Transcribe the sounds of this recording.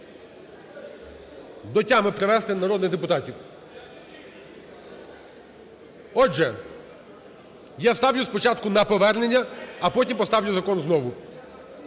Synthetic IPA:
d̪ɔtʲːamɪpɾeʋɛst̪ɪnɐɾɔd̪nɪd̪epʊt̪ɑtʲiw | ɔd͡ʒɛ | jast̪ɑwjʊspɔt͡ʃɑt̪kʊnɐpɔʋɛrnenʲːɐːpɔtʲimpɔst̪ɑwjʲʊzɐkɔnznɔʋʊ

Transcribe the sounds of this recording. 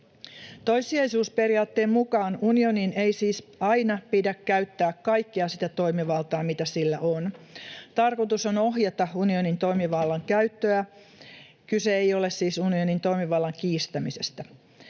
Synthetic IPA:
t̪ojsiɑjsuːspe̞riɑːt̪ːe̞ːmmukɑːnunio̞ninejsiːsɑjnɑpidækkæyt̪ːæːkkɑjkːiɑsit̪æt̪o̞imiʋɑlt̪ɑːmit̪æsilːæʔont̪ɑrkot̪usonoɦjɑt̪ɑunionint̪o̞imiʋɑlːɑŋkæyt̪ːøæ | kyseejo̞le̞ssiːsunionint̪o̞imiʋɑlːɑŋkiːst̪æmise̞st̪æ

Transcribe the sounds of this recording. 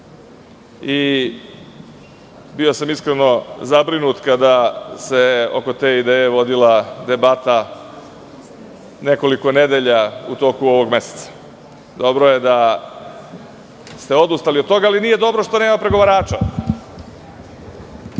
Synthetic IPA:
i | bio̞samiskɾeno̞zabɾinut̪kad̪ase̞o̞̰ko̞t̪e̞ːid̪eːjeʋo̞d̪ilad̪e̞bat̪a | ne̞ko̞liko̞ne̞d̪e̞ʎaut̪o̞ːkuo̞ʋo̞ɡme̞se̥t̪sḁ | d̪o̞bɾoje̞d̪a | st̪e̞o̞d̪ust̪aliot̪t̪o̞ɡaːlinijed̪o̞bɾo̞ʃt̪o̞neːmapɾe̞ɡo̞ʋaɾaːt͡ʃa

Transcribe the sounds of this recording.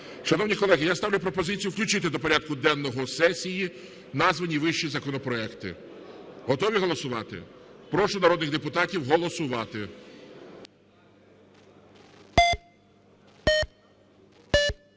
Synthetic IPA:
ʃɐnɔwnʲikɔlˠɛɦɪjast̪ɑwlʲʊp̬ɾɔpɔzɪt͡sʲijuwklʲʊt͡ʃɪt̪ɪd̪ɔpɔɾʲad̪̚kʊd̪ɛnːɔɦɔsɛsʲiji | nɑzʋɐnʲiʋɪʃt͡ʃizɐkɔnɔpɾɔɛkt̪ɪ̰ | ɦɔt̪ɔʋʲiɦɔlˠɔsʊʋɑt̪ɪ̰pɾɔʃɔnɐɾɔd̪nɪɣd̪epʊt̪ɑtʲiwɦɔlˠɔsʊʋɑt̪ɪ

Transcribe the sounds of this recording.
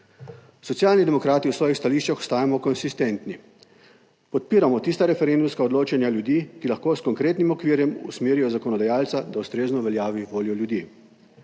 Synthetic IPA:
sɔt̪sijaːlnid̪ɛmɔkɾaːt̪iuwsʋɔːjixst̪aliːʃt͡ʃaxɔ̥st̪aːjamɔkɔnsist̪ent̪ni | pɔt̪̚piːɾamɔt̪ist̪aɾɛfɛɾend̪umskaɔd̪loːt͡ʃanjaljud̪iːkilaxkoːskɔŋkɾeːt̪nimɔkʋiːɾjɛmṵsmeːɾijɔzakɔnɔd̪ajaːlt̪sad̪aust̪ɾeːznɔʋɛljaːʋiʋoːljɔljud̪iː

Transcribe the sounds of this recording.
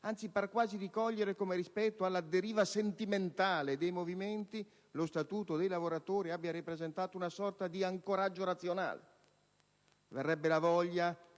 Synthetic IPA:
ant̪siparkːwaːziɾikɔʎːeɾekomeɾispɛt̪ːoalːad̪eɾiːvasent̪iment̪aːled̪ejmoviment̪i | lost̪at̪uːt̪od̪ejlavoɾat̪oːɾiabːjaɾipɾezent̪aːt̪ounasɔrt̪ad̪iaŋkoɾad͡ʒːoɾat̪sːjona̰ːlḛ | verːɛbːelavɔʎːa

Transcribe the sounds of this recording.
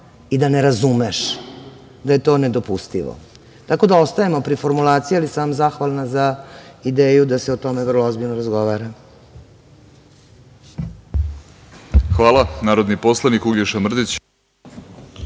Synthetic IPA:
id̪ane̞ɾazumeʃ | d̪aje̞t̪o̞ːned̪o̞pust̪ḭʋo̰ | t̪ako̞d̪ao̞st̪ajemo̞pɾifo̞ɾmulaːt̪sijalisaːmzaxʋalnazaid̪eːjud̪aseot̪o̞me̞vrlˠoozbiʎnoɾazɡo̞ʋaːɾa | xʋaːlˠanaːɾod̪nipo̞slˠanikuɡjeʃamr̩d̪it͡ɕ

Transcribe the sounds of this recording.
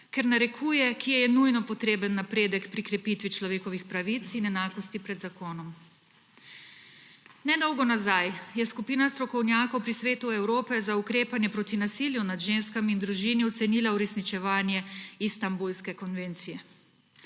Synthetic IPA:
kɛɾnaɾɛkʰujɛkʰiɛjɛnujnɔpɔt̪ɾeːbənːapɾeːd̪əkpɾikɾɛpit̪ʋit͡ʃlɔʋeːkɔʋixpɾaʋit̪sinɛnaːkɔst̪ipɾɛd̪zakoːnɔm | nɛd̪ɔwɡɔnazajjɛskupiːnast̪ɾɔkɔwnjaːkɔwpɾisʋeːt̪uɛwɾoːpɛzaukɾeːpanjɛpɾot̪inasiljunad̪ʒenskamind̪ɾuʒiniɔt̪sɛniːlauɾɛsnit͡ʃɛʋaːnjɛist̪ambulskɛkɔnʋent̪sijɛ

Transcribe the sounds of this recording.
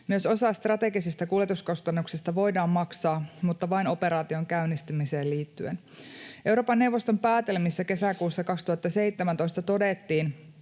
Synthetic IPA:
myøso̞sɑːst̪rɑt̪e̞ɡisist̪ɑkuljet̪usko̞st̪ɑnːuksist̪ɑʋo̞jdɑːmːɑksɑːmut̪ːɑʋɑino̞pe̞ɾɑːt̪io̞ŋkæynːist̪ymise̞ːlliːt̪ːyḛn | ʔe̞wɾoːpɑnːewʋost̪o̞mpæːt̪e̞lmisːæke̞sækuːsːɑkɑkst̪uhɑt̪ːɑse̞jt̪ːemænt̪o̞ist̪ɑt̪o̞det̪ːiːn

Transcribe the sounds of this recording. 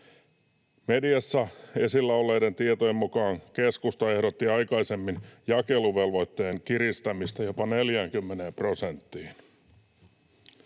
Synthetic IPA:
mediɑsːɑe̞silːɑulːejdent̪iet̪ojemːukɑːŋke̞skust̪ɑe̞hɾot̪ːiɑjkɑise̞mːinjɑkeluʋe̞lʋo̞jt̪ːe̞ːŋkiɾist̪æmist̪æjo̞pɑne̞ljæːŋkymːeneːmpro̞sent̪ːiːn

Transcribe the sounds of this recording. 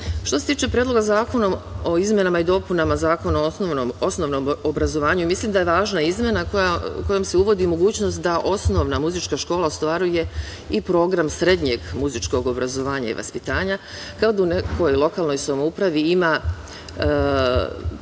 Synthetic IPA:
ʃt̪ose̞t̪iːt͡ʃe̞pɾjed̪loɡazaːko̞nomoizmʲje̞namaid̪o̞punamazaːkonanoʋnomo̞sno̞ʋnoobɾazo̞ʋaːɲuimislimd̪ajeʋaːʒnaizmʲje̞nakojako̞jomseuʋo̞d̪imo̞ɡuːt͡ɕnost̪̚d̪aʔo̞sno̞ʋnamuzit͡ʃkaʃko̞ːlaost̪ʋaɾuje̞ | ipɾo̞ːɡɾamsɾe̞d̪ɲe̞ɡmuzit͡ʃko̞ɡo̞bɾazo̞ʋaːɲa̰ḭʋa̰spit̪aːɲa | kaod̪auneko̞jlˠo̞kaːlˠno̞jsamoupɾaʋiima

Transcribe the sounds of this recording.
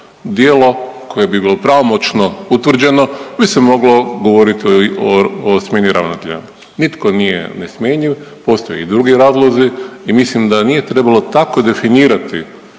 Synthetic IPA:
d̪jeːlo̞kʰo̞jebibiːlo̞pɾaʋo̞mo̞t͡ʃno̞ut̪ʋr̩d͡ʑe̞no̞bisemo̞ɡlo̞ɡoʋo̞ɾit̪ioosmʲjeːniɾʔa̰ʋnat̪eʎa̰ | nit̪ko̞nijḛnesmʲjeɲiʋpo̞st̪ojeid̪ɾuɡiɾaːzlˠoziimislimd̪anije̞t̪ɾe̞balˠo̞t̪ako̞d̪e̞finiːɾat̪ḭ

